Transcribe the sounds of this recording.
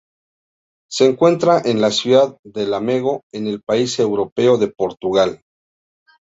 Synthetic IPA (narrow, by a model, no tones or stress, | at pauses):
se̞ːŋkwe̞nt̪ɾaʔe̞nlasjuðaðːe̞lame̞ɣo̞e̞ne̞lpaise̞wɾo̞pe̞o̞ðe̞po̞ɾt̪uɣal